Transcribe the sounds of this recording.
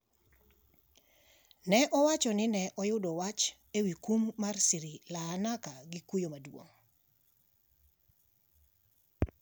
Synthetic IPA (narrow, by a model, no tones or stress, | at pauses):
nɛʔɔwat͡ʃɔnɪnɛʔɔjʊdɔwat͡ʃ | ewikumːarsiɾilaːnakaɡikujomadwo̰ŋ